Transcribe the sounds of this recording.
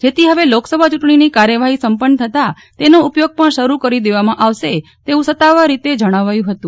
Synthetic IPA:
d͡ʒet̪ʰiɦəʋeloksəbʱat͡ʃuʈɳ̃inikaɾjəʋaɦisəmpənːt̪ʰət̪a | t̪enoupjoɡ̚pəɳʃəɾukəɾid̪eʋamãʔaʋʃe | t̪eʋũsət̪ːaʋaɾit̪ed͡ʒəɽ̃aʋajũɦət̪ũ

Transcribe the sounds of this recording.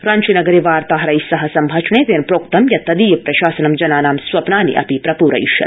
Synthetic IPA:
ɾaːnt͡ʃinɐɡɐɾiʋaːɾt̪aːɦɐɾɐjsɐɦɐsɐmbʱɐt͡ʃʰɳeːt̪eːnpɾoːk̚t̪ɐmjɐt̪ɐd̪iːjɐpɾɐʃaːsɐnɐmd͡ʒɐnaːnaːmsʋɐpnaːnḭʔɐ̰pipɾɐpuːɾɐ̰jḭʃɐ̰t̪

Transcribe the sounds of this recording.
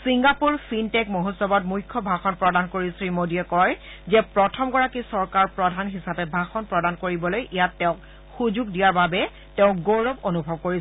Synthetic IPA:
siŋɡapuɹsintɛkmoɦɔsɔbɔtmujkʰːɔbʱaxɔnpɹɔdankoɹisɹimodiɛkɔj | zɛpɹɔtʰɔmɡɔɹakisɔɹkaɹpɹɔdʱanɦisapɛbʱaxɔnpɹɔdankoɹibɔlojʔijatːɛʊ̃k | xuzuɡdijaɹbabɛ | tɛʊ̃k̚ɡoɹɔbonubʱɔb̚koɹi

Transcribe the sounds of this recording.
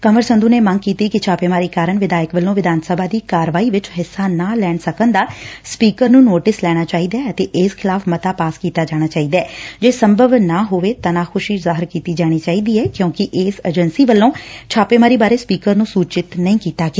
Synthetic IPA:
kəməɾsənd̪uːneːməŋɡ̚kiːt̪iːkɪt͡ʃʰaːpeːmaːɾiːkaːɾəɳʋɪd̪aːjəkʋəlːõːʋɪd̪aːnsəbʱaːd̪iːkaːɾəʋaːiːʋɪt͡ʃɦɪsːaːnaːlɛːɳsəkənd̪aːspiːkəɾnũːnoːʈɪslɛːɽ̃aːt͡ʃaːiːd̪aːət̪eːʔɪːskʰɪlaːfʰmət̪aːpaːskiːt̪aːd͡ʒaːɽ̃aːt͡ʃaːiːd̪aɛːd͡ʒeːsəmbʱəʋnaːɦoːʋeːt̪aːnaːkʰʊʃiːzaːɦɪɾkiːt̪iːd͡ʒaːɽ̃iːt͡ʃaːiːd̪iːɛːkjõːkɪʔeːsəd͡ʒənsiːʋəlːõːt͡ʃʰaːpeːmaːɾiːbaːɾeːspiːkəɾnũːsuːt͡ʃɪt̪nəĩːkiːt̪aːɡeː

